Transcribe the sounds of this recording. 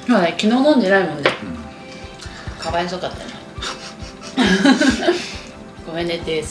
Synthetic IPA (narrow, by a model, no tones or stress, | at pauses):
sonekʲinoːnõnd̪e̞naimõnd̪e | kʰaβais̬okat̪ːa̰ne | ɡomenet̪ːes